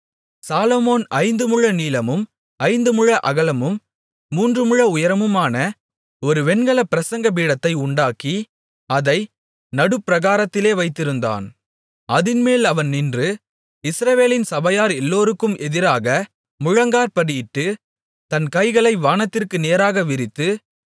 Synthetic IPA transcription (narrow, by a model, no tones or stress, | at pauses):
saːlomoːnɐɪnd̪ɯmʊɻɐniːlɐmɯm | ɐɪnd̪ɯmʊɻɐʔɐɣɐlɐmɯmː | uːndrɯmɯɻɐʊjɐɾɐmɯmaːnɐ | ɔɾɯʋɛnɡɐɭɐpɪɾɐsɐŋɡɐpiːɽɐt̪ːɐɪʊɳɖaːki | ɐðɐɪ | nɐɽɯpːɪɾɐɣaːɾɐt̪ːɪleːʋɐɪt̪ːɪɾɯnd̪a̰ːn | ɐðɪnmeːlɐʋɐnnɪndrɯ | ɪsɾɐʋeːlɪnsɐbɐjaːɾɛlːoːɾɯkːɯmɛðɪɾaːɣɐ | mʊɻɐŋɡaːɾpɐɽɪjɪʈːɯ | t̪ɐnkɐɪɣɐɭɐɪʋaːnɐt̪ːɪrkɯneːɾaːɣɐʋɪɾɪt̪ːɯ